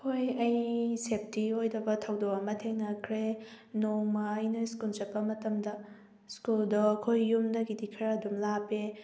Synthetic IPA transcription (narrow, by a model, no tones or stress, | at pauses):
kʰojɐjsep̚ʰtiojdɐbɐtʰɐwdowɐmɐtʰeŋnɐkʰɾe | noŋmɐːjnɐskuld͡ʒɐpːɐmɐtɐmdɐ | skuldoɐkʰojːumdɐɡidikʰɐɾɐdumlape